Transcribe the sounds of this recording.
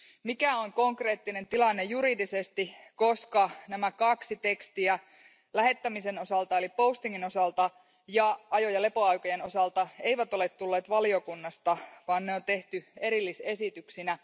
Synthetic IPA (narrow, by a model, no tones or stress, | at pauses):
mikæoŋko̞ŋkre̞ːt̪ːine̞nt̪ilɑnːejuɾidisest̪iko̞skɑnæmækɑksit̪e̞kst̪iæ | læɦe̞t̪ːæmise̞no̞sɑlt̪ɑelipo̞ust̪iŋːino̞sɑlt̪ɑ | jɑʔɑjo̞jɑle̞po̞ɑjkojeno̞sɑlt̪ɑe̞jʋæt̪o̞le̞t̪tulːe̞ːt̪ʋɑlio̞kunːɑst̪ɑʋɑːnneo̞nt̪e̞ht̪ye̞ɾilːise̞sit̪yksinæ